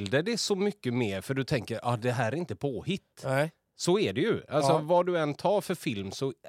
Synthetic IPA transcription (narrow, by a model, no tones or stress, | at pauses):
ld̪ɛd̪ɛsɔmʏkːəmeːɾfœɖɵt̪ʰɛŋkəɾɑ̰ːd̪ɛɦæːɾɾɪnt̪əpʰoːhɪt̪ː | sɔɛɖɛjɵalsɔvɑɖɵɛnːt̪ʰɑːɾfœɾfɪlmsɔ